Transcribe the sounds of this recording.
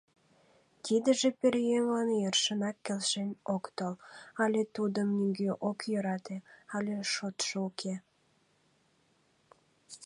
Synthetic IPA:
t̪id̪əʒĕpeɾʲjemlɑnejərʃənɑkːelʃenʲokt̪olɑlʲet̪ud̪əmnyɡøʔokjøɾɑt̪eɑlʲeʃot̪ʃoukʰe

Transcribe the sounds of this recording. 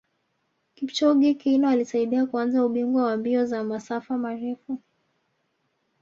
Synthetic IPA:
kipt͡ʃɔɡikinɔalisaiɗiakuanzauɓiŋɡwawambiɔzamasafamaɾɛfu

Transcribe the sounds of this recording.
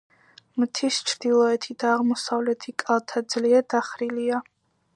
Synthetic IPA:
mt̪ʰist͡ʃʰɾd̪ilˠɔɛt̪ʰid̪aːʁmɔsavlɛt̪ʰikʼalˠt̪ʰad̪zliɛɾd̪aχɾilia

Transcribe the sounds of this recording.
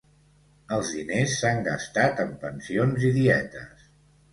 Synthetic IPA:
əlˠzðinesːaŋɡəst̪at̪əmpənsionziðiɛt̪ə̰s

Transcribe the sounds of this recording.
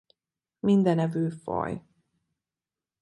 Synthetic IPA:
mind̪ɛnɛvyːfɒ̰j

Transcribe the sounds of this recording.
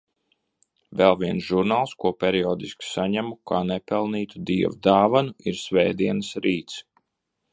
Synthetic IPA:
vɛlˠviɛnsʒuɾnaːlˠskuɔpʲɛɾiɔːd̪isksaɲæmukʰaːnɛpɛlˠniːt̪ud̪iɛvud̪aːvanuiɾsʲvɛːd̪iɛnɨsɾiːt̪s

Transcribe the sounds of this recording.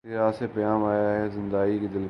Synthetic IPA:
ɾaːsepɐjãːmaːjaɦɛzɪ̃nd̪aːikid̪ɪl

